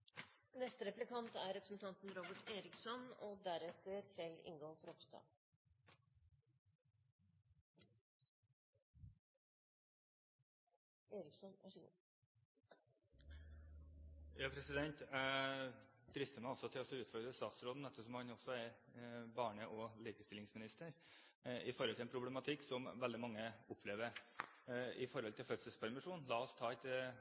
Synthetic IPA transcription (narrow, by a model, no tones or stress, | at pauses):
nɛst̪əɾɛplɪkʰɑnt̪æɾɛpɾəsn̩t̪ʰɑnt̪n̩ɾoːbəʈeːɾɪksɔnɔd̪æɾɛt̪ʰːəɾfɛlɪ̰ŋɡoːfɔɾɔpst̪ɑ̰ː | eːɾɪksɔnæ̰ʂəɡṵː | jɑːpʰɾɛsɪd̪ɛnt̪ | d̪ɾɪst̪əmæɪɔlsɔt̪ʰɪlɔsɔʉːt̪fɔɾd̪ɾəst̪ɑːt̪sɾoːd̪n̩ɛt̪ːəsɔmhɑnɔsːɔæɾbɑːɳəʔɔliːkəst̪ɪlːɪŋsmɪnɪst̪əɾ | ɪfɔɾhɔlt̪ʰɪɛpʰɾʊblɛmɑt̪ʰɪksɔmʋɛld̪ɪmɑŋːəʊpʰːleːʋəɾ | ɪfɔɾhɔlt̪ʰɪlfœt̪səlspʰæɾmɪʂuːnlɑːɔst̪ʰɑːɛt̪